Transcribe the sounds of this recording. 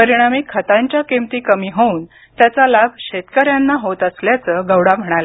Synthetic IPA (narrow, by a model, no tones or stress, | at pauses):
pəɾiɽ̃amikʰːət̪aɲt͡ɕjakemt̪iːkəmiːɦouːn | t̪jat͡salabʱɕet̪kəɾjanːaɦot̪əsljat͡səɡəwɽam̤əɽ̃alə